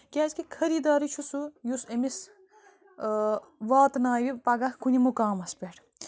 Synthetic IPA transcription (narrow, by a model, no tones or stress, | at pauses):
kʲaːzkikʰɐɾiːd̪aːɾit͡ʃʰusujusemis | ʋaːt̪naːʋipɐɡɐkkunimukaːmɐspeʈʰ